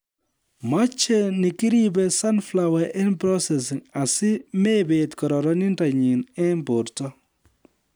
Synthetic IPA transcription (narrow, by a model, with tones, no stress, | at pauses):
ma˦t͡ʃɛnɪ˨ki˦ɾibɛ˨sa˦nflawɛʔɛ˦npɾɔ˦sɛs̬ɪ˨ŋa˨sɪ˦mebetkɔ˨ɾɔ˨ɾɔ˦ni˦ndaɲi˨nɛ˦mbo˨ɾtɔ˦